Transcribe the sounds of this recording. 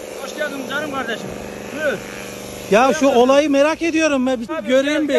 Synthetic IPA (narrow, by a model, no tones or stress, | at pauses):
boʃlˠijad̪ɯmd͡ʒaɾɯmkʰaɾd̪eʃɯm | jaʃuolˠajɯmeɾake̞d̪ijo̞ɾumvɛbiɟøɾejymbi